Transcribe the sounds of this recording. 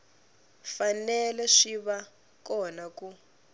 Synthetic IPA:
fanɛlɛʂiβa | kɔnaku

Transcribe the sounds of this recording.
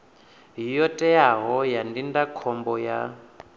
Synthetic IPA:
ɦijɔtʼɛjaɦɔjandindakʰɔmbɔja̰

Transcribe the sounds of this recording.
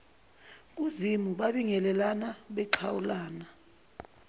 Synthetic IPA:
k̬ʼuzimuɓaɓiŋɛlɛlanaɓɛǃʰawulaːna

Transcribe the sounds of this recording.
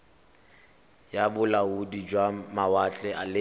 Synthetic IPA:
jabʊlaudid͡ʒwamawat͡ɬʼɛʔalɪ

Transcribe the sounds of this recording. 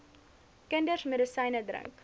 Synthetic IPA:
kəndərmɛdəsɐjnədrə̰ŋk

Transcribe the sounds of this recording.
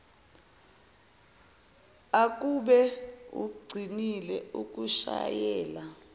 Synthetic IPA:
ak̬ʼuɓɛṵɡ͡ǀʱinilɛuk̬ʼuʃa̰jɛːla

